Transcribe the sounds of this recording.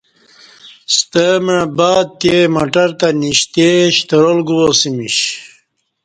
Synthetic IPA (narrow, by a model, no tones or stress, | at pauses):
st̪əmãbaːd̪̚t̪emɐʈɐɾt̪ɐniɕt̪eɕt̪əɾolɡuwosimiɕ